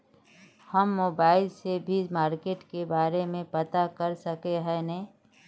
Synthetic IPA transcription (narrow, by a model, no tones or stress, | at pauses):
həmːoːbaːɪlsebʱid͡ʒmaːɾkeːʈkebaːɾemẽpət̪akəɾsəkeɦɛnɛ